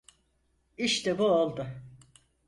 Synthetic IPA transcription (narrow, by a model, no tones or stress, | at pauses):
iʃt̪ʰɛbuolˠd̪ʊ